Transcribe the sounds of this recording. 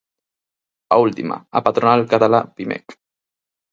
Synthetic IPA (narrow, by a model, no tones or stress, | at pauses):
ault̪ima̰a̰pat̪ɾonalkat̪alapimɛ̰k